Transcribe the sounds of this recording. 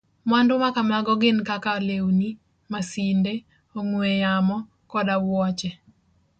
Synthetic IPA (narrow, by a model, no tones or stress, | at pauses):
mwandʊmakamaɡɔɡɪnkakalewni | masinde | oŋwejamɔ | kɔdawwɔt͡ʃɛ